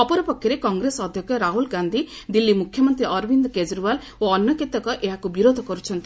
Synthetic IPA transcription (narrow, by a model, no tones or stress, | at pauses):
ɔpɔɾɔpɔkʰːjɔɾekɔŋɡɾesɔd̪ʱjɔkʰjɔɾaɦulɡand̪ʱid̪ilːimukʰjɔmɔnt̪ɾiɔɾbind̪ɔked͡ʒɾubal | oɔnjɔkit̪ɔkɔʔeɦakubiɾod̪ʱɔkɔɾut͡ʃʰɔnt̪i